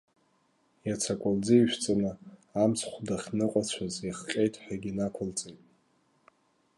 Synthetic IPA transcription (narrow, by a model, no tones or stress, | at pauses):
jat͡sʰakʷʼʊld͡ziiʃᶣt͡sʼanɨamsʰχʷdaχʲnɨqʷʼat͡ɕʷʰaziχqʲʼejtʼħaɡʲinakʷʰʊlt͡sʼejtʼ